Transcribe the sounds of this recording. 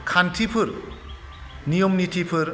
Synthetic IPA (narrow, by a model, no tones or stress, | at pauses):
kʰantʰipʰɯɾ | nijɔmnitʰipʰɯɾ